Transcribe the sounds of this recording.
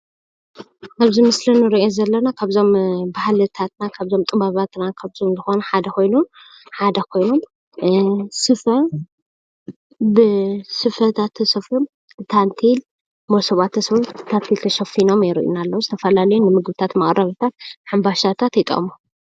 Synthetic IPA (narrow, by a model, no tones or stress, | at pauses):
ʔaβzimɨslɐnɨɾiʔozɐlːɐnakʰaβzo̞mbahlɨt̪ʰat̪nakʰaβzo̞mt̪ʼɨbaβat̪nakʰaβzonzɨxo̞nuħad̪ɐko̞jnun | ħad̪ɐkʰo̞jnom | sɨfɐ | bɨsɨfɐt̪ʰat̪ʰːɐsɐfum | bɨt̪ʰant̪ʰil | mosɐβat̪ʰːɐsfut̪ʰant̪ʰilt̪ʰɐʃɐfino̞majɾḭʔṵnalːɐwuzɨt̪ʰɐfɐlalɐjunːɨmɨɡbɨt̪ʰat̪mɐχʼɾɐβt̪ʰat̪̚ħambaʃat̪ʰat̪jɛt̪ʼɐ̰ʔmu